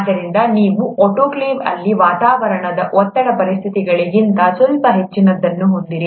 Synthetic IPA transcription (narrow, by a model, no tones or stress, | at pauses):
d̪ɐɾind̪ɐniːʋuʔoʈoːkleːbɐ̰lːiʋaːt̪aːʋɐɾɐɳɐd̪ɐʔɔt̪ːɐɽɐpɐɾist̪ʰit̪iɡɐɭiɡint̪ɐsɔlpɐɦe̞t͡ʃːinɐd̪ːɐnːuɦond̪iɾi